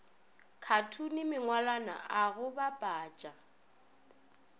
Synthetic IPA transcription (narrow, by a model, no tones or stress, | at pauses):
kʰatʰunɪmɪŋwalana̰aɣʊbapʼaːt͡ʃʼa